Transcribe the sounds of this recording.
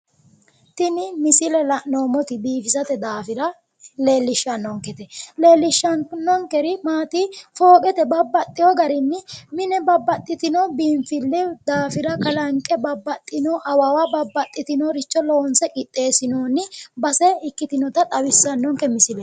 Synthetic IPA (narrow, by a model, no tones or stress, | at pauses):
t̪ɪnɪmɪsɪlɛlɐnoːmɔt̪ɪbiːfɪsɐt̪ɛd̪aːfɪɾɐ | le̞ːlːɪʃːɐnːɔŋkɛt̪ɛleːlːɪʃːɐnnɔŋkɛɾɪmaːt̪ɪfoːkʼɛt̪ɛbɐbːɐt̪ʼːɪjɔɡɐɾɪnːɪmɪnɛbɐbːɐt̪ʼːɪt̪ɪnɔbiːɱfɪlːɛd̪aːfɪɾɐkɐlɐŋkʼɛbɐbːɐt̪ʼːɪnɔʔɐwɐwabɐbːɐt̪ʼːɪt̪ɪnɔɾɪt͡ʃːɔloːnsɛkʼɪt̪ʼːe̞ːsɪnoːnɪbɐsɛɪkːɪt̪ɪnɔt̪ɐt̪ʼɐwɪsːɐnːɔŋkɛmɪsɪlɛ